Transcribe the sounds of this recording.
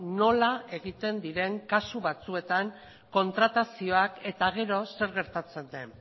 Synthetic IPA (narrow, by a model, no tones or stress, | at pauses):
no̞lae̞ɣit̪e̞nd̪iɾe̞ŋkasuβat͡sue̞t̪aŋ | ko̞nt̪ɾat̪asio̞ake̞t̪aɣ̞e̞ɾo̞se̞ɾɣe̞ɾt̪at͡se̞nd̪e̞̰n